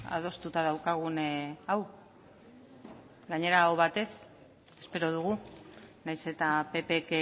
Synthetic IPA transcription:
a̰ð̞o̞st̪ut̪aðawkaɣ̞unaw | ɡaɲe̞ɾaoβat̪e̞s | e̞spe̞ɾo̞ð̞uɣ̞unajse̞t̪ape̞pek

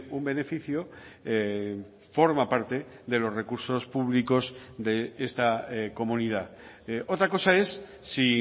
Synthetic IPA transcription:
umbe̞ne̞fiθjoe | fo̞ɾmapaɾt̪e̞ðe̞lo̞zre̞kuɾso̞spuβliko̞zðe̞est̪ako̞mũnið̞a | o̞t̪ɾako̞sae̞sːi

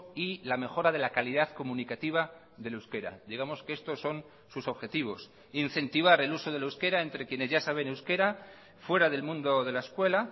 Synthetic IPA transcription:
ilame̞xo̞ɾaðe̞lakaliðaðko̞mũnikat̪iβ̞a | ðe̞lewske̞ɾa̰d̪iɣ̞amo̞skeest̪o̞sːo̞n | suso̞βxe̞t̪iβ̞o̞s | inθe̞nt̪iβ̞aɾe̞luso̞ð̞e̞laewske̞ɾae̞nt̪ɾe̞kje̞ne̞zʝasaβ̞enewske̞ɾa | fwe̞ɾaðe̞lmũnd̪o̞ðe̞laeskwe̞la

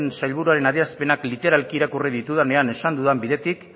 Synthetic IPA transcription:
nsajlβuɾuaɾe̞naðiɾaspe̞naklit̪e̞ɾalkiːɾakuriðit̪uðane̞ane̞sand̪uðambiðe̞t̪ik

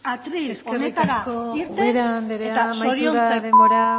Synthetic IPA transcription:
at̪ɾieskenet̪aɾsakoiɾtd̪eɾand̪eɾeat̪asmajotɾiuoɾaaðemboɾa

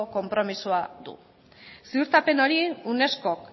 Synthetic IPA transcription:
oko̞mpɾo̞misuad̪ṵ | siuɾt̪ape̞no̞ɾiune̞sko̞k

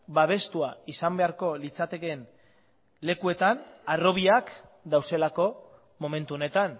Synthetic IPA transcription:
baβ̞e̞st̪uaisambe̞aɾko̞lit͡sat̪e̞ke̞n | le̞kue̞t̪anaro̞β̞iakd̪awse̞lako̞ | mo̞me̞nt̪uo̞ne̞t̪an

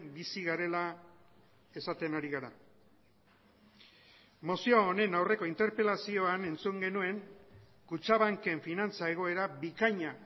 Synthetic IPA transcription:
bisiɣaɾe̞la | e̞sat̪e̞naɾiɣaɾa | mo̞sio̞ːne̞nawre̞ko̞int̪e̞ɾpe̞lasio̞ane̞nt͡suŋɡe̞nue̞ŋ | kut͡ʃaβ̞aŋke̞ɱfinant͡sae̞ɣ̞o̞e̞ɾaβikaɲa

